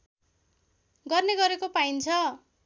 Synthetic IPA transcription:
ɡʌrneɡʌɾekopaint͡sʰʌ

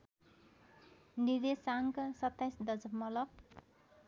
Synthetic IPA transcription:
niɾesaŋksʌt̪ːajsd̪ʌd͡zʌpmʌlʌk̚

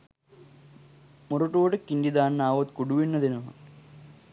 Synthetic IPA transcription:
muruʈːoːɽɨkːindid̪aːnːaːʋot̪kuɽuʋinːɐðino

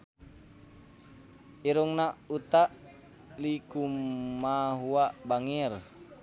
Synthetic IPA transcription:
iɾuŋnaut̪aʔ | likumaɦuaʔbaŋɛr

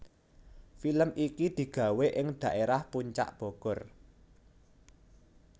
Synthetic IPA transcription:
filəmʔikid̪̥i̤ɡ̥ä̤weʔɪŋd̪̥a̤ʔeɾahpuɲt͡ʃa̰ʔb̥ɔ̤ɡ̥ɔ̤r

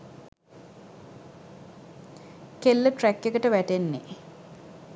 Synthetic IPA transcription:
kelːəʈrækːekəʈəʋæʈenːḛ

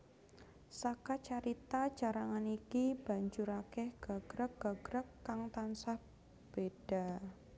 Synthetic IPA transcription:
sakat͡ʃaɾit̪at͡ʃaɾaŋanikib̥a̤ɲd͡ʒuɾakɛhɡ̥a̤ɡ̥ɾək̚ɡ̥a̤ɡ̥ɾəkːaŋt̪ansah | b̥ed̥a

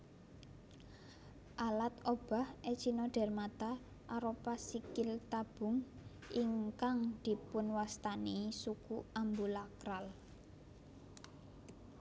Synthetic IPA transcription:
ʔalat̪ob̥a̤hʔet͡ʃinɔɖ̥ɛ̤rmat̪a | ʔaɾopasikɪlt̪ab̥ʊ̤ŋ | ʔiŋkaŋd̪̥i̤pʊnwast̪anisukuambulakɾal

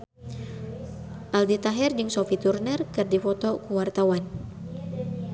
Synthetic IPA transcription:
ʔaldit̪aɦɛrd͡ʒɨŋsɔfit̪urnərkɨrdifɔt̪ɔkuwart̪awan

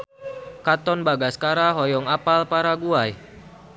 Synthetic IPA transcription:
kat̪ɔnbaɡaskaɾaɦɔjɔŋapalpaɾaɡuaj

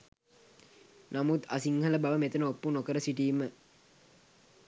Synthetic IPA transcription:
namut̪asiŋhɐləbaʋəmet̪ənəopːunokəɾəsiʈiːmə

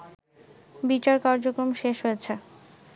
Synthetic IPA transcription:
bit͡ɕaɾkaɾd͡ʑokɾomʃeʃɦojet͡ɕʰe

